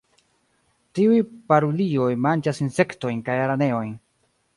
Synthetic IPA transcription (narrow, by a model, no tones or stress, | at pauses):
tiujpaɾoliojmant͡ʃasinse̞kto̞jnkajaɾane̞o̞jn